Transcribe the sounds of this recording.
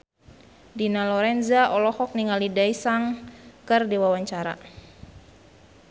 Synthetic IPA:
dinalɔɾɛnzaʔɔlɔhɔk̚niŋalidaisaŋkɨrdiwawaɲt͡ʃaɾa̰

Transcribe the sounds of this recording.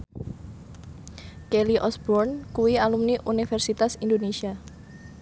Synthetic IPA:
keliʔɔsbɔrnkuwialumniʔunifɛrsit̪asindonesia

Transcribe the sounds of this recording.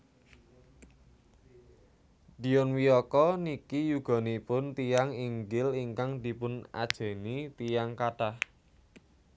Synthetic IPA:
ɖ̥i̤jɔnwiɔkɔnikijuɡ̥ɔ̤nipʊnt̪ijaŋiŋɡɪliŋkaŋd̪̥i̤pʊna̰d̥ʒ̥e̤nit̪ijaŋkaɖ̥ah

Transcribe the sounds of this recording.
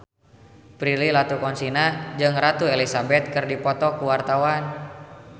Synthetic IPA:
pɾililat̪ukɔnsinad͡ʒɨŋrat̪uelisabɛt̪̚kɨrdipɔt̪ɔkuwart̪awan

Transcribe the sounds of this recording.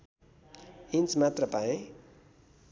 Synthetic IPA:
int͡smat̪rʌpaĩ

